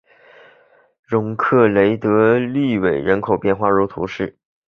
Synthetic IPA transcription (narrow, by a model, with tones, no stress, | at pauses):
ɻʊ˧˥ŋkʰɤ˥˩le˧˥ɪt̪ɤ˧˥li˥˩we˨˩ɪɻə˧˥nkʰo˨˩ʊpjɛ˥˧nxwa˥˧ɻu˧˥t̪ʰṵ˧˥ʂɻ̩˥˩